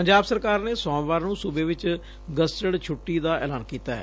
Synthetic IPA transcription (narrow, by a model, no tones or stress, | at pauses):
pəɲd͡ʒaːbsəɾkaːɾneːsɔ̃ːmʋaːɾnũːsʊbeːʋɪt͡ʃ | ɡəsʈəɽt͡ʃʰʊʈːiːd̪aːɛ̰ːlaːnkiːt̪aːɦɛ̰ː